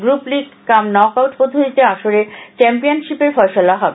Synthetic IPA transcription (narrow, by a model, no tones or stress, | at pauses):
ɡɾupliɡkamnɔkawʈpod̪ʱoɾit̪eaʃoɾet͡ɕɛmpijonʃipeɾfɔeʃolaɦɔbe